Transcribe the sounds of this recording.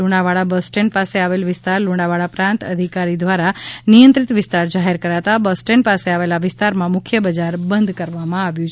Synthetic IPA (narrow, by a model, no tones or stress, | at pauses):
uɽaʋaɭabəsʈeɳpaseaʋelʋɪst̪aɾluɳaʋaɭapɾãnt̪ə̰d̪ʱikaɾid̪ʋaɾanijənt̪ɾit̪ʋɪst̪aɾd͡ʒaɦeɾkəɾat̪abəsʈeɳpaseaʋelaʋɪst̪aɾmãmʊkʰjəbəd͡ʒaɾbənd̪ʱkəɾʋamãaʋjũt͡ʃʰ